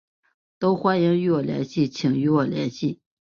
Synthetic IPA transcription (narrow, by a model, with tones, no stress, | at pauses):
t̪o˥ʊxwa˥ni˧˥ŋy˥˩wɔ˨˩ljɛ̰˧˥nɕi˥˩t͡ɕʰi˨˩ŋy˥wɔ˨˩ljɛ̰˧˥nɕi˥˩